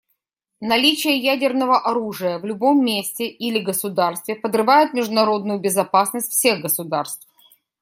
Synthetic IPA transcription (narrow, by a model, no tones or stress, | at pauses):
nɐlʲit͡ɕɪjəjædʲɪrnəvəʔɐɾuʐɨjəvlʲʊbo̞mːʲesʲtʲɪʔilʲɪɡəsʊd̪arst̪vʲɪpəd̪rɨvajʊt̪̚mʲɪʐd̪ʊnɐɾo̞d̪nʊjʊbʲɪzɐpasnəsʲtʲfsʲe̞ɣɡəsʊd̪arst̪f